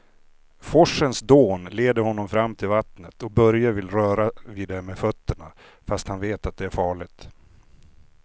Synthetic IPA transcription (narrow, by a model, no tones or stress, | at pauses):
fɔʂːənsd̪oːnleːd̪əɾhɔnːɔmfɾamːt̪ʰɪlvat̪nət̪ɔk̚bœɾjavɪlɾœːɾaviːd̪ɛmɛfœt̪ʰːəɳa̰ | fast̪hanveːt̪at̪̚d̪ɛæɾfɑːɭɪt̪